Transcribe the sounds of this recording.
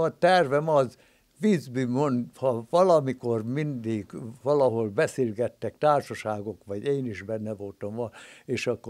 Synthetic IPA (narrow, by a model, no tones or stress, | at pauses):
ɒt̪ɛrvɛmɒz | ʋizbymonhɒʋɒlɒmikormind̪iɡʋɒlɒɦolbɛsilɡɛt̪ːɛkt̪aːrʃɒʃaːɡo̞kʋɒɟeːniʒbɛnːɛvo̞lt̪ɒmɒeːʃɒkːo